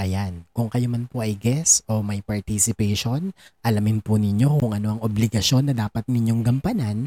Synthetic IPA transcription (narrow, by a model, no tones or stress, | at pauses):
ʔɐjankʊŋkɐjomɐnpoʔɐjɡɛsʔo̞mɐjpɐɹt̪isɪpɛjʃo̞nʔɐlamɪnpʊnɪɲo̞kʊŋʔɐno̞ʔɐŋʔoblɪɡɐʃo̞nːɐd̪aːpɐt̪̚nɪɲjo̞ŋɡɐmpɐnan